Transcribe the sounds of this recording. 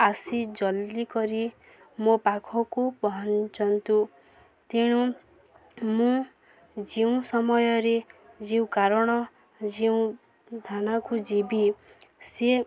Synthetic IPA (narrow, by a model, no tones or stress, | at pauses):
asid͡ʒɔlːikɔɾi | mopakʰɔkubɔɦɔnt͡ʃɔnt̪u | t̪iɽ̃u | mũ | d͡ʒiũsɔmɔjɔɾed͡ʒiw̃kaɾɔɽ̃ɔ | d͡ʒiũ | d̪ʱanakud͡ʒibise